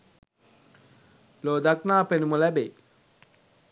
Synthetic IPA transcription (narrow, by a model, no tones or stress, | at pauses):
loːd̪aknaːpenumolɛbe